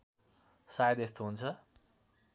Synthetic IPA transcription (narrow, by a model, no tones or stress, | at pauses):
sajʌd̪est̪oɦunt͡sʰʌ